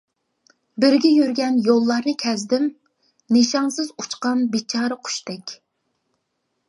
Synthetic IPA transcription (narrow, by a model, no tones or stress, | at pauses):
bɪɾɡʲɛjøɾɡʲɛnjolˠːɑɾnɨkʲʰɛzd̪ɪm | neʃɑŋsɨzut͡ʃqɑnbet͡ʃʰɑːɾɨqʰʊ̥ʃt̪ɛkʲ